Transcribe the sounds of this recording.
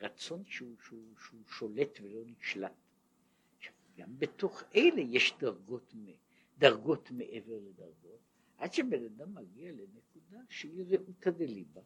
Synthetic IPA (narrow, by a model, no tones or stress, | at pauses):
ʁat͡so̞nʃeuʃeuʃeuʃo̞let̪velo̞niʃlat̪ | ʃḁvɡambet̪o̞χejlejeʃd̪aʁɡo̞t̪me | d̪aʁɡo̞t̪meʔeve̞ʁled̪aʁɡo̞t | ʔadʃebenad̪amːaɡialenekud̪aʃeliʁeʔut̪adeliba